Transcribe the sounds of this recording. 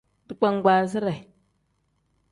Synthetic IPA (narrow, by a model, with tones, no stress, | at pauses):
di˨k͡pʷa˦ŋ˦ɡʷa˨zi˦ɾa˨